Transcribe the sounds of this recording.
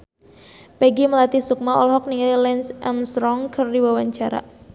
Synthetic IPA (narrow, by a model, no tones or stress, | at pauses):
peɡiməlat̪isuk̚maɔ̰lɦɔk̚niŋalilɛnsʔɛmst̪ɾɔŋkʰərdiwawaɲt͡ʃaɾa̰